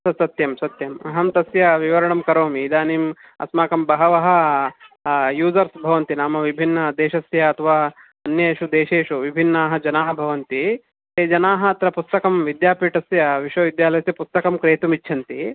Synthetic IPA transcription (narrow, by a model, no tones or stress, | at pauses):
sɐt̪sɐt̪jɐmsɐt̪jɐmɐɦɐmt̪ɐsjɐʋiʋɐɾɐɳɐmkɐɾoːmiːd̪aːniːm | ɐ̰smaːkɐmbɐɦɐʋɐɦɐ̆ | juːzɐɾsbʱɐʋɐnt̪inaːmɐʋibʱinːɐd̪eːʃɐsjɐːt̪ʰɐʋaː | ɐnjɐʃud̪eːʃeːʃuʋibʱinːaːɦɐ̆d͡ʒɐnaːɦɐbʱɐʋɐnt̪i | t̪eːd͡ʒɐnaːɦɐːt̪ɾɐpust̪ɐkɐmʋid̪jaːpiːʈɐsjɐʋiʃʋɐʋid̪jaːlɐjɐsjɐpust̪ɐkɐmkɾeːt̪umit͡ʃːʰɐnt̪i